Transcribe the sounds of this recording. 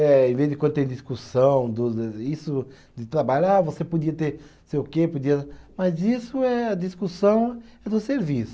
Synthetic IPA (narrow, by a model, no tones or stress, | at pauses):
ɛẽvezdɪkwɐ̃nd̪ʊt̪ẽd̪iskusɐ̃w̃d̪ʊisʊ | d̪ɪt̪ɾabaʎavosepod͡ʒiɐt̪eɾ | seʊkepod͡ʒiɐmɐzisʊɛɐd̪iskusɐ̃w̃ɛd̪ʊseɾvisʊ